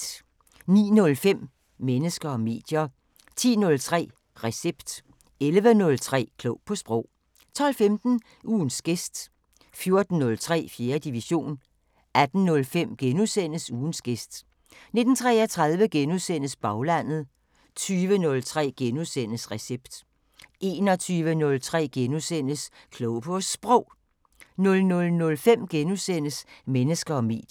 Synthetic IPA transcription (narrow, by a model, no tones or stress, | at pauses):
nḭːnɔ̽lfem̰ː | enəsɡ̥ɐɒ̽me̝̰ːd̥jɐ | t͡sʰḭːnɔ̽lt͡sʰʁɛ̰ː | ʁɛseb̥d̥ | elʋənɔ̽lt͡sʰʁɛ̰ːkʰlɔʊpʰɒ̽sb̥ʁɔ̽ʊ̰ | t͡sʰɒ̽l̰femd̥n̩ | ʔuːn̩sɡ̥esd̥ | fjo̝ɐd̥n̩ːɔ̽lt͡sʰʁɛ̰ːfje̝ːɐd̥iʋiɕo̝̰ːn | æd̥n̩nɔ̽lfem̰ɡ̥enusen̰əsuːnsɡ̥esd̥ | ne̝d̥n̩t͡sʰʁɛɐt͡sʰʁɑ̈ð̞ˠʋəɡ̥enuðˠsen̰əsb̥ɑ̈ʊlæn̰ð̩ˠ | t͡sʰyːʋənɔ̽lt͡sʰʁɛ̰ːɡ̥enuðˠsen̰əsʁɛseb̥d̥ | ʔe̝ːnɒ̽t͡sʰyːʋənɔ̽lt͡sʰʁɛ̰ːɡ̥enusen̰əskʰlɔʊpʰɔsːb̥ʁɔʊ̰ | nɔ̽lnɔ̽lnɔ̽lfem̰ɡ̥enusen̰əsmenəsɡ̥ɐɒ̽mḭːd̥